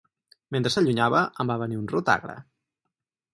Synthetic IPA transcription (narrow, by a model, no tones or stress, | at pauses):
ment̪ɾəsəʎuɲaβəʔəmbaβəniunrot̪a̰ɣɾə̰